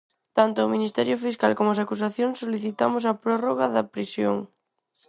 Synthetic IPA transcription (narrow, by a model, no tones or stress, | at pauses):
t̪ant̪ʊominist̪ɛɾjofiskalkomoasakus̬aθjoŋsoliθit̪amos̬ɐpɾɔroɣaðɐpɾisjo̰ŋ